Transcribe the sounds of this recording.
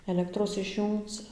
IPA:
ɛˈlʲæːktroːs ɪʃʲˈjuːŋkt͡s

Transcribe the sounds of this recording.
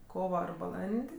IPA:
ˈkoːʋɐ ɐr bɐˈlˠɐnʲtʲ

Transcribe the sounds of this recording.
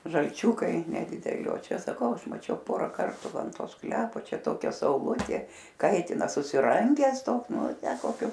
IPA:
ʒɐlʲˈt͡ʃʲuːkɐɪ nʲɛdʲɪdʲɛˈlʲɪ oː ˈt͡ʃʲɛ sɐˈkɐʊ ˈɐʃ mɐˈt͡ʃʲɛʊ ˈpoːrɐ ˈkɐrtʊ ˈʋɐ ɐn ˈtoː ˈsklʲæːpoː ˈt͡ʃʲɛ ˈtoːkʲɛ sɐʊˈlˠʊtʲeː ˈkɐɪtʲɪnɐ sʊsʲɪˈrɐŋʲɡʲæːs ˈtoːks ˈnʊ ˈtʲæː koːˈkʲʊ

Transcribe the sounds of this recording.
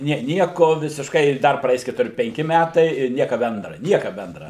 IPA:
ˈnʲiɛ ˈnʲiɛkoː ʋʲɪsʲɪʃˈkɐɪ ɪ ˈdɐr prɐˈɛɪs kʲɛtʊˈrʲɪ pʲɛŋʲˈkʲɪ ˈmʲætɐɪ ɪr ˈnʲiɛkɐ ˈbʲɛndrɐ ˈnʲiɛkɐ ˈbʲɛndrɐ

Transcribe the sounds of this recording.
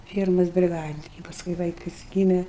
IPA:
ˈfʲiɛrmɐs bʲrʲɪˈɡɑːdʲɪnʲɪŋʲkʲɛ pɐˈskʊɪ ˈʋɐɪkɐs ˈɡʲiːmʲɛ

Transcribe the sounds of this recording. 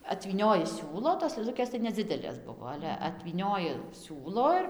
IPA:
ɐtʲʋʲiːˈnʲoːjɪ ˈsʲuːlˠoː toːs lˠɘˈlˠʊkʲeːs tɐɪ nʲɛˈd͡zʲɪdʲɛlʲeːs ˈbʊʋoː ˈɑːlʲɛ ɐtʲʋʲiːˈnʲoːjɪ ˈsʲuːlˠoː ɪr

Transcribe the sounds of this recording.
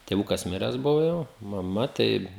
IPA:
tʲeːˈʋʊkɐs ˈmʲɪrʲɛs ˈbʊʋoː jɛʊ mɐˈmɐ ˈtɐɪ

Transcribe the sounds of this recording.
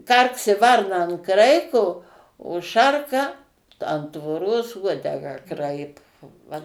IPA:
ˈkɐrksʲɪ ˈʋɐrnɐ ɐn ˈkrɐɪkoː oː ˈʃɐrkɐ ɐn tʋoːrˈoːs ˈuɔdʲɛɡɑː ˈkrɐɪpoː ˈʋɐ

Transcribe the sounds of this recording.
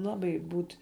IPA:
ˈlˠɑːbɐɪ ˈbuːtʲ

